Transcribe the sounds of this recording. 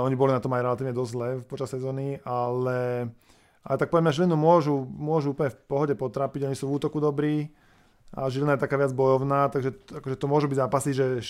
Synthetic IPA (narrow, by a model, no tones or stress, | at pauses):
ɔɲibɔlinat̪ɔmajɾɛlat̪iːʋɲɛd̪ɔzzlɛpɔt͡ʃassːɛzɔːnialɛ | ʔalɛt̪ak̚pɔʋɛdmɲaʒilinumʊɔʒumʊɔʒuuːplɲɛfpɔɦɔɟɛpɔt̪ɾaːpiɟɔɲisuːvuːt̪ɔkud̪ɔbɾiː | a̰ʒilinajɛt̪akaːʋɪad͡zbɔjɔʊnaːt̪aɡʒɛakɔʒɛt̪ɔmʊɔʒubiɟzaːpasiʒɛ